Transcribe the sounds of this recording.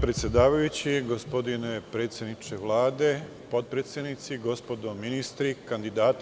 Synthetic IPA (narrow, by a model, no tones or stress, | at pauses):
pɾet̪sjed̪aːʋajut͡ɕiɡo̞spo̞d̪inepɾet̪sʲjed̪nit͡ʃeʋlˠaːd̪e̞ | po̞t̪̚pɾet̪sʲjed̪nit̪siɡo̞spo̞d̪ominist̪ɾikand̪id̪aːt̪